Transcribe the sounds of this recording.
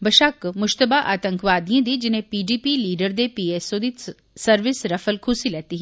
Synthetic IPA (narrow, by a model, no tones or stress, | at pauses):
bəʃakmʊʃt̪əbaʔaːt̪ə̃ŋkʋaːd̪iẽd̪id͡ʒɪnẽpiːɖiːpiliːɖəɾd̪epiːeːsoːd̪i | sɐɾʋɪsɾɐfəlkʰʊsilɛːt̪iɦɛ